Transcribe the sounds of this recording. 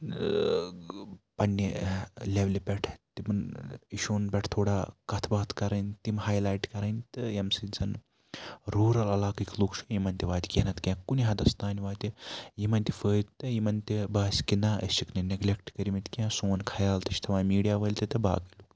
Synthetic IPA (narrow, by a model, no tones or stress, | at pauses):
pɐnʲːilʲeʋlʲipʲeʈʰt̪imɐniʃoːnpʲeʈʰt̪ʰoːɽaːkɐt̪ʰbaːt̪ʰkɐɾɐnʲt̪imɦaːjlaːjʈkɐɾɐnʲt̪ɨjɐmsɨd͡zɐn | ɾuːɾɐlɐlaːkikʲlukt͡ʃʰujimɐnʲt̪ʲiʋaːt̪ʲi̥kʲenɐt̪kʲãkuniɦɐd̪ɐst̪aːnʲiʋaːt̪ʲijimɐnʲt̪ifəːt̪t̪ɨjimɐnʲt̪ʲibaːsʲkinaə̰siknɐneɡlʲek̚ʈkɐɾʲimit̪ʲkʲãsoːnkʰɐjaːlt̪ɐt͡ʃʰʲt̪ʰɐʋaːnmiːɖijaʋəlʲt̪ɐt̪ɐba̰ːkiluk